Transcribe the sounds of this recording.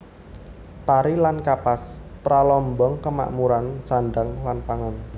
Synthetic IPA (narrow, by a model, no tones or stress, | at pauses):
paɾilankapaspɾalɔmbɔŋkəma̰ʔmuɾansanɖaŋlanpaŋan